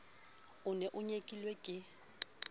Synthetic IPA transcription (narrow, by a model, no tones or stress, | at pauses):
ʊnɛʔʊɲekʼilwekʼɪ